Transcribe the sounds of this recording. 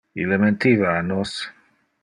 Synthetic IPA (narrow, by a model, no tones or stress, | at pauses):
ḭlemẽnt̪ivaːnos